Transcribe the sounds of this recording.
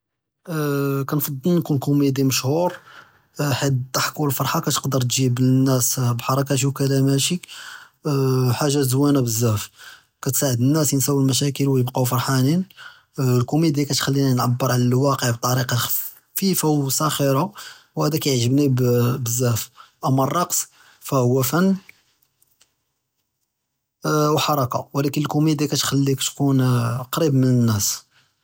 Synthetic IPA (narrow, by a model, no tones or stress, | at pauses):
kænfɑd̪ˤːəlnkunkʊmid̪iməʃhuɾ | ħid̪t̪ːaħkːulfɑɾˤħɑkæt̪ə̥qd̪əɾˤt̪ʒibənːæsbħɑɾˤɑk̬ɑʃ̬ikælæmæʃik | ħaʒːazwænæbəzːæf | kæt̪saʕəd̪ənːæsjənsæwːilmæʃ̬ækəlwjəbqɑwfɑɾˤħanin | lkumid̪ikæt̪xælːinænʕabːəɾˤʕlælwɑqəʕb̚t̪ˤːɑɾiqɑx | fifæwsæxiɾɑwhæd̪ækæjʕʒəbnibbəzːæfʔæmːærˤːɑqs | fæhʊwːæfænː | wħɑɾˤɑkɑ̰wlækənəlkumid̪ikæt̪xælːikæt̪kunqɾibmənənːæs